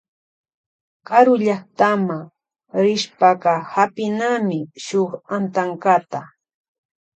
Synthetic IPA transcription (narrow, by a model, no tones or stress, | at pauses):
kaɾʊʎaχt̪ama | ɾɪʃpaɢɑhapɪnamɪʃoχant̪aŋkat̪a